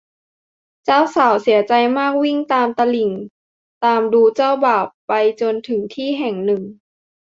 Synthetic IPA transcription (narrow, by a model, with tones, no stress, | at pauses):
t͡ɕaː˥˩wsaː˩˦wsi˨˩˦ɐt͡ɕa˧jmaː˥˩k̚wi˥˩ŋt̪aː˧mt̪a˧li˨˩ŋ | t̪aː˧mduː˧t͡ɕa˥˩wbaː˨˩wpːa˧jt͡ɕo˧nt̪ʰɯ˩˦ŋt̪ʰiː˥˩ɦɛ˨˩ŋnɯ˨˩ŋ